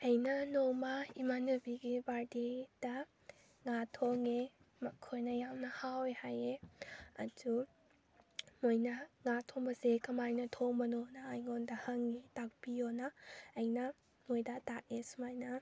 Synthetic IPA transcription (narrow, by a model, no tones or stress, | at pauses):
ɐjnɐnomɐimanubiɡibaɾded̥ɐ | ŋatʰoŋe | mɐkʰojnɐjamnɐhawehajeɐ̰du | mojnɐŋatʰoŋbɐsekɐmajnɐtʰoŋbɐnonɐːjŋondɐhɐŋetak̚bijonɐːjnɐ | mojdɐtak̚esumajnɐ